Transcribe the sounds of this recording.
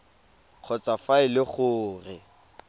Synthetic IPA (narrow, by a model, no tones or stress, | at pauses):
q͡χʰɔt͡sʼafaɪlɪχʊːrɪ